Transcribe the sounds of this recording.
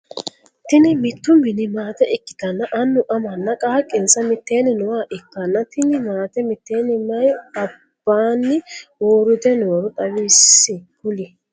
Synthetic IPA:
t̪ɪnɪmɪt̪ːʊmɪnɪmaːt̪ɛʔɪkːɪ̥d̪ɐnːɐʔɐnːʊʔɐmɐnːɐkʼaːkʼːɪnsɐmɪt̪ːeːnɪnʊwaːʔɪkːɐnːɐt̪ɪnɪmaːt̪ɛmɪt̪ːeːnɪmɐjɐ | b̥ːaːnːɪwoːɾʊd̪ɛnoːɾʊt̪ʼɐwiːsːɪkʊlɪ

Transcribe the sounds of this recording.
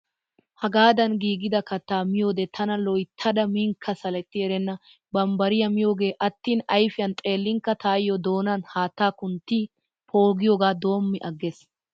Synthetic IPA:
hɐɡaːd̪ɐnɡiːɡɪd̪ɐkɐt̪ːaːmɪjoːd̪ɛt̪ʰɐnɐlɔjt̪ʰːɐd̪ɐmɪŋkʰːɐsɐlɛt̪ːɪɛɾɛnːɐ | bɐmbɐɾɪjɐmɪjoːɡe̞ːʔɐt̪ːiːnɐjfɪjɐnt̪ʼe̞ːlːɪŋkːɐt̪aːjɔd̪o̞ːnɐnhaːt̪ːaːkʊnt̪ːi | pʰo̞ːɡɪjoːɡaːd̪o̞ːmːɪʔɐɡːes

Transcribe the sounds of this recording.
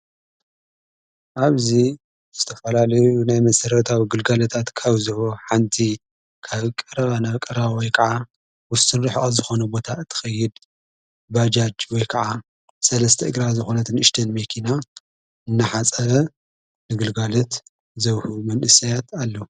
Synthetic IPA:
ʔaβzi | zɨt̪ʰɐfɐlalɐjunajmɐsɐɾɐt̪ʰawiɡɨlɡalɐt̪ʰat̪kʰaβzɐhoħant̪ʰi | kʰaβkʼɐɾɐβanakʼɐɾβawɔjkʰɐʕa | wʊsɨnɾɨħʔazɨxo̞nɐbo̞t̪ʰaɨt̪ʰːɨ̥xɐjːɪd̪ | bad͡ʒad͡ʒwɔjkʰɐʕa | sɐlɐst̪ʰɐʔɨɡɾazɨxo̞nɐt̪ʰɨnʔɨʃt̪ʰɐnmekʰina | ɨnːɐħat͡sʼɐβɐ | nɨɡɨlɡalot̪ | zɐβhumɐnʔɨsɐjat̪ʰalːo

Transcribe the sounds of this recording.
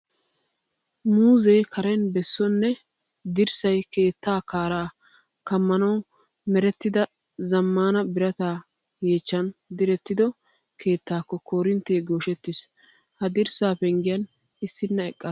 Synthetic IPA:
muːzɛjkʰɐɾɛnbɛsːɔnːɛ | d̪ɪɾsɐjke̞ːt̪ːaːkaːɾaː | kɐmːɐnɐw | mɛɾɛt̪ːɪd̪ɐ | zɐmːaːnɐbɪɾɐt̪aː | jeːt͡ʃːɐnd̪ɪɾɛt̪ːɪd̪ɔ | kʰe̞ːt̪ːaːkːɔko̞ːɾɪnt̪ːeːɡoːʃɛt̪ːɪs | hɐd̪ɪɾsaːpɛŋɡɪjɐn | ɪsːɪnːɐɛkʼːɐ

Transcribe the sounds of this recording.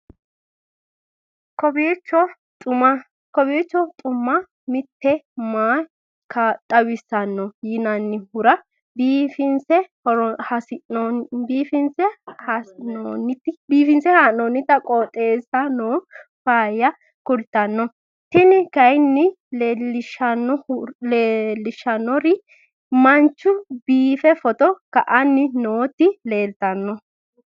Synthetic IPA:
kɔbet͡ʃːɔ | t̪ʼʊmɐ | kɔbeːt͡ʃːɔt̪ʼʊmːɐ | mɪt̪ːɛmaː | kʰɐt̪ʼɐwɪsɐnːɔjɪnɐnːɪhʊɾɐ | biːfɪnsɛ | hɐsɪbiːfɪnsɛhanonɪt̪ːɪbiːfɪnsɛhanoːnːɪt̪ːɐkʼɔt̪ʼeːsɐnoːfaːjːɐ | kʊlt̪ːɐnːɔ | t̪ɪnɪkɐjnːɪ | lelɪʃɐnːɔleːlːɪʃːɐnːɔɾɪ | mɐnt͡ʃːʊbiːfɛfɔt̪ɔkɐʔɐnːɪnoːt̪ːɪle̞ːlt̪ɐnːɔ

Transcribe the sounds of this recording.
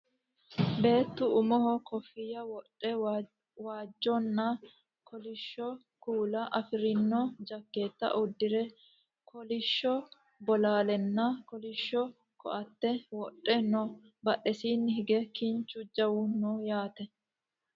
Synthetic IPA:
be̞ːt̪ːʊʊmɔhɔkɔfːɪjɐwɔᶑʼːɛ | waːd͡ʒːɔnːɐ | kʰɔlɪʃːɔ | kuːlɐʔɐfɪɾɪnːɔd͡ʒɐkːeːt̪ːɐ̰ʔʊd̪ːɪɾɛ | kʰɔlɪʃːɔ | bɔlaːlɛnːɐkɔlɪʃːɔ | kɔ̰ʔɐt̪ːɛwɔʔʼːɛnɔ | bɐʔɛsiːnːɪhɪɡɛkiɲt͡ʃʊd͡ʒɐwʊnɔjaːt̪ɛ

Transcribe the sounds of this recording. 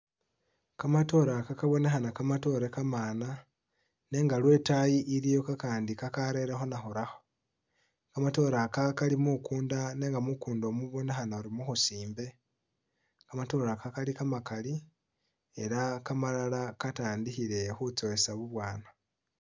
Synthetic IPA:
kamato̞ːɾakakaβo̞ne̞xanakamato̞ɾe̞kamaːna | ne̞ːŋɡalwe̞tajiʔiɾijo̞kakaːndikakaɾe̞ɾexo̞naxuɾaxo̞̥ | kamato̞ːɾakakalimukuːndane̞ːŋɡamukuːndo̞muβo̞ne̞xanaoɾimuxusiːmbe̞ | kamato̞ːɾakakalikamakali | e̞ɾakamalalakataːndiçiɾe̞xut͡so̞esaβuβwaːna

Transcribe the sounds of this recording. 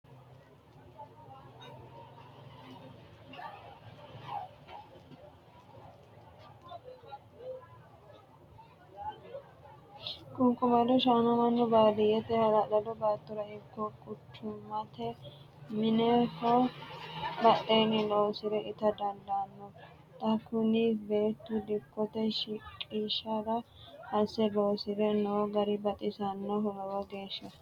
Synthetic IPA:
kʊŋkʊmɐd̪ɔʃaːnɐmɐnːɔbaːd̪ɪjɛt̪ɛhɐlɐlɐd̪ɔbaːt̪ːʊɾɐɪkːɔkʼʊt͡ʃːʊmːɐt̪ɛ | mɪnɛhɔ | bɐtːeːnɪloːsɪd̪ɛʔɪt̪ɐd̪ɐnd̪ɐnːɔ | t̪ʼɐkʊnɪbe̞ːt̪ːʊd̪ɪkːɔt̪ɛʃɪkʼiːʃɐɾɐ | hɐsɛloːsɪd̪ɛnoːɡɐɾɪbɐt̪ʼɪsɐnːɔɦɔlɐwɐɡeːʃːɐ

